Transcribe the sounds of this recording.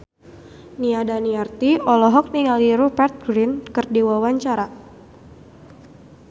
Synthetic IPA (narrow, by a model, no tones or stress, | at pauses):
niadaniart̪iɔlɔɦɔk̚niŋaliɾopɛrt̪̚ɡɾinkɨrdiwawaɲt͡ʃaɾa